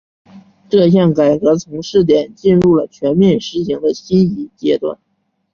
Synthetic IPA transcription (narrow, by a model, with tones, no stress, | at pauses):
ʈ͡ʂɤ˥˧ɕ̬jɑ˥˩ŋka˨˩ɪkɤ˧˥t͡sʰʊ˧˥ŋʂɻ̩˥˩t̪jɛ˨˩nt͡ɕi˥˧nɻu˥˩lə˩t͡ɕʰɥɛ˧˥nmjɛ˥˩nʂɻ̩˧˥ɕi˧˥ŋd̪ə˧ɕi˥ni˧˥t͡ɕjɛ˥t̪wa̰˥˩n